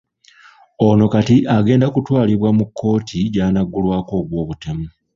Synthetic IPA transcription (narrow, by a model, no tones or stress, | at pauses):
ono̞katiʔaɡe̞ːndakutwaːliβwamukʰːo̞ːtʰiɟaːnaɡːulwaːko̞ːβwo̞ːβutemu